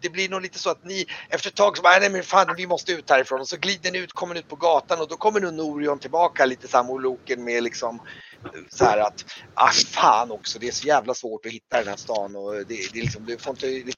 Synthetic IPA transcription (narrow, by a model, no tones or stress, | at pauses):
d̪̥ɛblɪɳuːliːt̪əsɔat̪nɪɛft̪əɾɛt̪ʰːɑːɡsɔmanɛmɛfaːnːɛvɪmɔst̪əʉ̟ːt̪̚hæːɾɪfɾoːnɔsɔɡliːd̪ənɪʉːt̪kʰɔmːənɪʉ̟ːt̪̚pʰɔɡɑːt̪anɔd̪ɔkʰɔmːəɳuːnːuːɾɪɔnt̪ʰɪlbɑːkaliːt̪əsamːʊluːkənmɛlɪksɔm | sɔhæːɾat̪a̰fɑːnɔksɔd̪ɛæʂɔjæːvlasvoːʈɔhɪt̪ːad̪ɛnhæ̰ʂt̪ɑ̰ːnɔd̪ɛd̪ɛlɪks̬ɔmd̪ɵfoɾɪnt̪əlɪ